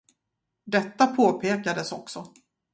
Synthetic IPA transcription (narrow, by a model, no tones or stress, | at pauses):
d̪ɛt̪ːapʰoːpʰeːkad̪əsɔksɔ